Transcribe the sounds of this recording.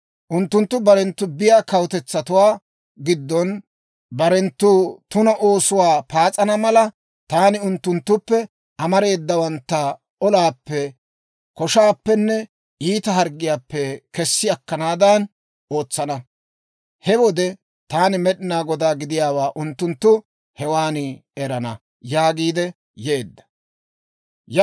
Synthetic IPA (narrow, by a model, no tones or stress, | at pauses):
ʔʊnt̪ːʊnt̪ːʊbɐɾɛnt̪ːʊbɪjaːkɐwt̪ɛt͡sːɐt̪ʊwaː | ɡɪd̪ːɔn | bɐɾɛnt̪ːʊt̪ʊnɐʔo̞ːsʊwaːpaːt͡sʼɐnɐmɐlɐ | t̪aːnɪʊnt̪ːʊnt̪ːʊpːɛ | ʔɐmɐɾe̞ːd̪ːɐwɐnt̪ːɐ | ɔlaːpːɛ | kɔʃaːpːɛnːɛ | iːt̪ɐɦɐɾɡːɪjaːpːɛkɛsːɪɐkːɐnaːd̪ɐn | o̞ːt͡sːɐnɐ | hɛwɔd̪ɛ | t̪aːnɪmɛɗɪnaːɡɔd̪aːɡɪd̪ɪjaːwaːʔʊnt̪ːʊnt̪ːʊ | hɛwaːnɛɾɐnɐ | jaːɡiːd̪ɛ | jeːd̪ːɐ̥ | j